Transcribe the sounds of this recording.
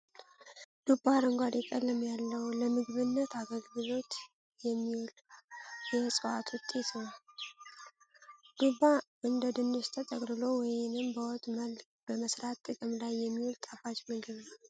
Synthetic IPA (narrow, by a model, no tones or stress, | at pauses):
d̪̥ubːaɾəŋɡʷad̪jɛkʼəlːəmjalːəwləmɨɡβɨnːət̪aɡəlɡɨlo̞t̪ | jɛmːiwul | jɛsʼəwa̰t̪ʰwut̪ʼːet̪ʰəw | d̪̥ubaʔɨnd̪əd̪ɨnːust̪ʰət̪ʼəkʼɾɨlo̞wɔjnɨmbəwɔt̪ʼməl | b̥əməsɾat̪ʼːɨkʼɨmlajːɛmːiult̪ʼafat͡ʃmɨɡɨβnw